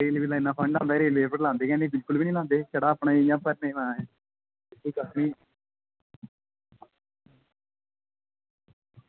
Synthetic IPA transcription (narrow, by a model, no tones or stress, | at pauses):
ɾeːlʋiːlãɪnːãːpʰə̃ɳɖãːnd̪aːɾeːlʋeːpəʈlãːnd̪eːkɛ̃ːnebɪlkʊlbiːnĩːlãːnd̪eːt͡ʃəɽaːəpɳaːĩjãːpəɾnẽːʋãːɛ | iːkəsnĩː